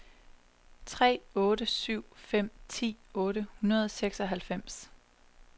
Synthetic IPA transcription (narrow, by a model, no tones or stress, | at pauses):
t͡sʰʁɛ̰ːɔ̽ːɾəsyʊ̰fem̰t͡sʰḭːɔ̽ːɾəhunɐð̞ˠseɡ̥sɒ̽ɦælfem̰s